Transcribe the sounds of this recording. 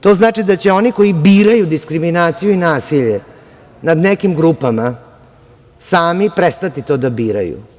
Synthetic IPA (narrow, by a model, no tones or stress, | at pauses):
t̪o̞znaːt͡ʂid̪at͡ɕe̞o̞niko̞jibiːɾajud̪iskɾiminaːt̪sijuinaːsiʎe | nad̪nekimɡɾupama | saːmipɾest̪at̪it̪o̞ːd̪abiːɾa̰jṵ